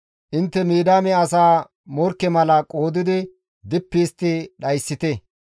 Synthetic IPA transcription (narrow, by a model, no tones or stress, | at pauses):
ʔɪnt̪ːɛmiːd̪aːmɛɐsaː | mɔɾkːɛmɐlɐkʼo̞ːd̪ɪd̪ɪ | d̪ɪpːiːst̪ːɪɗɐjsːɪt̪ɛ